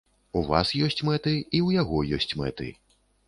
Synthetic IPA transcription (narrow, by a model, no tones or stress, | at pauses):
uva̰sjɔsʲt͡sʲmɛt̪ɨiujaɣɔjɔsʲt͡sʲmɛ̰t̪ɨ̰